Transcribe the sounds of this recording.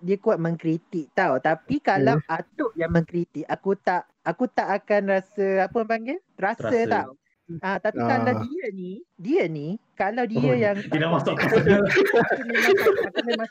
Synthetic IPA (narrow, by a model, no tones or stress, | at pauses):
diəkuat̪̚mə̃ŋkɾit̪ik̚t̪awt̪apikalaat̪oʔjaŋmə̃ŋkɾit̪ikakut̪aʔ | akut̪aʔːakanrasəapəmaŋət̪ɾasət̪aw | at̪apikalawdiənidiənikalawdiəjaŋt̪idaʔmasaʔkaauniaaakunama